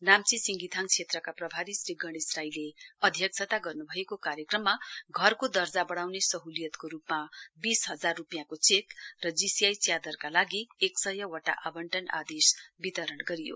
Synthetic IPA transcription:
namt͡sisiŋɡit̪ʰaŋt͡sʰet̪rʌkaprʌbʱaɾisriɡʌɽ̃israjleʌd̪ʱjʌk̚sʰʌt̪aɡʌrnubʱʌekokaɾjʌkrʌmːaɡʱʌrkod̪ʌrd͡zabʌɽ̃awnesʌɦulijʌt̪koɾupmabisɦʌd͡zarːupijãkot͡sek̪rʌd͡zisijajt͡sjad̪ʌrkalaɡieksʌjʌwʌʈa̰ʔabʌɳʈʌna̰d̪esbit̪ʌɾʌɳɡʌɾijo̰

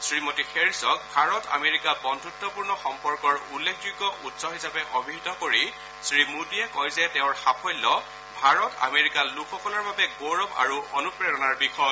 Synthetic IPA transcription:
sɹimotixeɹisɔk̚bʱaɹɔta̰meɹikabɔndʱutːɔpuɹnɔxɔmpɔɹkɔɹulːekʰd͡ʒiɡɔʔutsɔɦisapɛʔobʱiɦitɔkoɹi | sɹimudiɛkɔjzɛtɛʊ̃ɹxapʰɔjlːɔ | bʱaɹɔta̰meɹikalukʰɔkɔlɔɹbabɛɡoɹɔpa̰ɹuʔɔnupɹejɔnaɹbixɔ

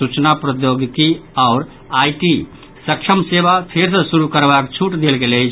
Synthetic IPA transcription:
sut͡ʃnapɾəjoɡt̪iaʊɾ | ajʈi | səkʃʰəmsebap̪ʰeɾsəsuɾukəɾbakt͡ʃʰuʈd̪elɡeləjt͡ʃʰ

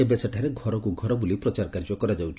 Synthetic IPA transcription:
ebeseʈʰaɾeɡʱɔɾɔkuɡʱɔɾɔbulipɾɔt͡ʃaɾkaɾd͡ʒɔkɔɾad͡ʒawt͡ʃʰ

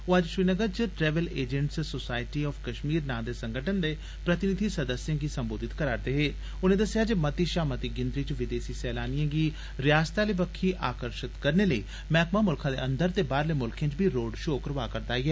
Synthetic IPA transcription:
oad͡ʒʃɾiːnəɡəɾt͡ʃəʈɾɛːʋəleːd͡ʒə̃ɳʈssosaːɪʈiːɔːfʰkəʃmiːɾnãːd̪eːsə̃ŋɡəʈʰənd̪eː | pɾət̪ɪnɪd̪ʱiːsəd̪əsjãːɡiːsəmboːd̪ɪt̪kəɾaːɾd̪eːɦeː | ʊnẽːd̪əsɪjaːd͡ʒeːmət̪iːʃaːmət̪iːɡɪ̃nd̪ɾiːt͡ʃʋɪd̪eːsiːsɛːlaːnijãːɡiː | ɾɪjaːst̪aːleːbəkʰːiːʔaːkəɾʃɪt̪kəɾneːləiː | mɛːkmaːmʊlkʰãːd̪ḛːənd̪əɾt̪eːbaːɾleːmʊlkʰẽːt͡ʃbʱiːɾoːɖʃoːkəɾʋaːkəɾd̪aːiːɦɛː

